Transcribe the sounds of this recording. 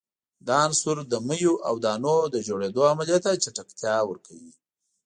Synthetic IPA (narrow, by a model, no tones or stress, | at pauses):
d̪ɑnsuɾd̪əməjuʔa̰wd̪ɑnod̪əd͡ʒoɽed̪oamaljat̪at͡ʃeʈakt̪jɑwəɾkʰawi